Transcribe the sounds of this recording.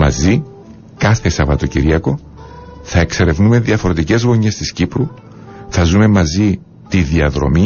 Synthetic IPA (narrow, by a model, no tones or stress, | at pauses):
mɐ̰zi | kɐθe̞sɐvɐt̪o̞ciɾiɐko̞ | θɐe̞kse̞ɾe̞vnume̞ðiɐfoɾot̪ice̞zɣo̞ɲe̞st̪iscipɾu | θɐzume̞mɐzi | t̪iðiɐðɾo̞̰mi